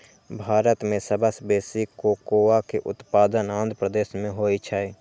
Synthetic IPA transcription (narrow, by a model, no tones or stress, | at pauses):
bʱaːɾət̪mẽsəbəsbeːsikokoːakeʔʊ̰t̪paːd̪ənãːnd̪ʱpɾəd̪eːʃmẽɦoːit͡ʃʰaːeː